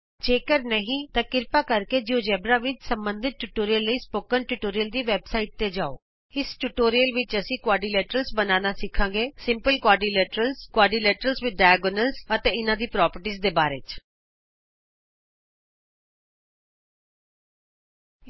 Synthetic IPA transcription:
d͡ʒeːkəɾnəɦĩːt̪ãːkɪɾpaːkəɾkeːd͡ʒɪõːd͡ʒɛːbɾaːʋɪt͡ʃsə̃mbə̃nd̪ʱɪt̪̚ʈːuʈoːɾijəlːəiːspoːkənʈuːʈoːɾijəld̪iːʋɛːbsaːiːʈ̚t̪eːd͡ʒaːo̰ː | ɪsʈuʈoːɾijəlʋɪt͡ʃəsĩːkwaːɖiːleːʈəɾəlsbənaːnaːsɪkʰːãːɡeːsɪ̃mpəlkwaːɖiːleːʈəɾəlskwaːɖiːlɛːʈəɾəlsʋɪd̪̚ɖaːɛɡonəlsət̪eːɪnãːd̪iːpɾɔːpəɾʈiːzd̪eːbaːɾḛːt͡ʃ

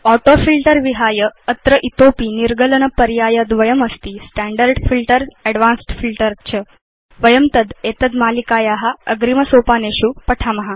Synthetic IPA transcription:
ɔʈofilʈəɾʋiɦajəət̪ɾəʔit̪opiːniɾɡələnəpəɾjaːjəd̪ʋəjəməst̪iːsʈæɳɖəɾɖfilʈəɾɛɖʋansʈfilʈəɾt͡ɕʰə | ʋəjəmt̪əd̪et̪əd̪malikajaɦaəɡɾiməsopaneɕuːpəʈʰaməɦa

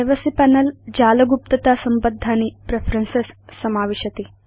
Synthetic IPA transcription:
ɐʋɐsipæːnɐld͡ʒaːlɐɡup̚t̪ɐt̪aːsɐmbɐd̪ʱːaːnipɾepʰɾɐnsesːɐmaːʋeʃɐt̪i

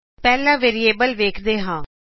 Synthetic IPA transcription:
pɛːlãːʋeːɾieːbəlʋeːkʰd̪eːɦãː

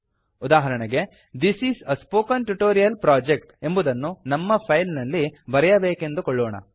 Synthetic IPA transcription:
ud̪aːɦɐɾɐɳɛɡe̞ | d̪isisɐspoːkɐnʈuʈoːɾijɐlpɾaːd͡ʒek̚ʈe̞mbud̪ɐnːunɐmːɐpʰɐjlnɐlːibɐɾɛjɐbeːkend̪ukɔɭːɔːɳɐ̰

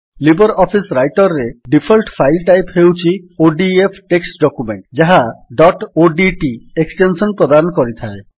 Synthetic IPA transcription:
libɔɾɔpʰisɾajʈɔɾːeɖipʰɔlʈpʰajlʈajphewt͡ʃʰioɖiepʰʈeksɖɔkumḛɳʈd͡ʒaɦaɖɔʈoɖiʈieksʈensɔnpɾod̪anɔkɔɾit̪ʰae

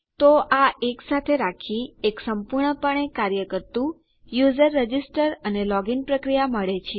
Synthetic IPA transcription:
t̪oʔaʔeksat̪ʰeɾakʰieksəmpuɾɳəpəɳekaɾjəkəɾt̪ũ | juzəɾːəd͡ʒisʈəɾənelɔɡinpɾəkɾijaməɭet͡ʃʰ

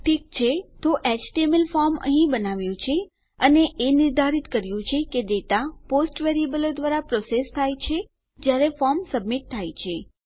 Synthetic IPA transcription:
ʈʰikt͡ʃʰet̪oʔɛt͡ʃʈiemelfɔɾmə̰ɦĩbənaʋjũt͡ʃʰe | əneʔenɪɾd̪ʱaɾit̪kəɾjũt͡ʃʰekeɖ̪et̪aposʈʋeɾiebəlod̪ʋaɾapɾosest̪ʰajt͡ʃʰe | d͡ʒjaɾefɔɾmsəbmiʈ̚t̪ʰːajt͡ʃʰe

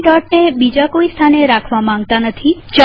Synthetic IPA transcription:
ɖɔʈ̚nebid͡ʒakoist̪ʰaneɾakʰʋamãŋɡ̚t̪anət̪ʰit͡ʃ

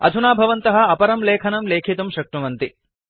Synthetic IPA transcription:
ɐ̰d̪ʱunaːbʱɐʋɐnt̪ɐɦɐ̆ɐpɐɾɐmleːkʰɐnɐmleːkʰit̪ɐmʃɐk̚ʈuʋɐnt̪i

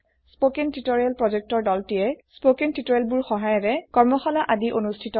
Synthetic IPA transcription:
spokentitoɹialpɹɔzɛk̚tɔɹdɔltijɛspokentitoɹalbuɹxɔɦajɔɹɛkɔɹmɔxɔlaʔadiʔonustʰitɔ

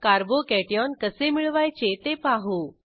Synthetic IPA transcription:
kaɾbokɛʈijɔnkəsemiɭʋajt͡ɕet̪epaɦu

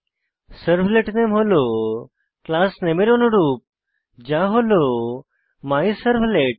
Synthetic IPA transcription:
səɾfleʈnemɦolo | klasnemeɾonoɾuːp̚ | d͡ʑaɦolo | maisəɾʋleʈ̚

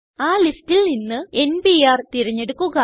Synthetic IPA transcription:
aːlistːilninːɨe̞nbiaːrt̪iɾɐɲːe̞ɽukːuɣɐ

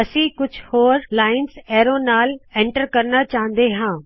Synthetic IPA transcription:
ɐsĩːkʊd͡ʒʱʰhoːɾlaːɪnsɛːɾõnaːlẽːɳʈəɾkɐɾnat͡ʃaːɦə̃nd̪eɦãː

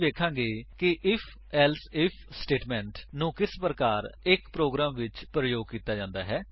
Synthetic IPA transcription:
ʋeːkʰãːŋɡeːkɪʔɪpʰ | ɛːlsɪpʰsʈeːʈmɛ̃ːɳʈnũːkɪspɾəkaːɾɪkpɾoːɡɾaːmʋɪt͡ʃpɾəjoːɡ̚kiːt̪aːd͡ʒãːnd̪aːɦɛː

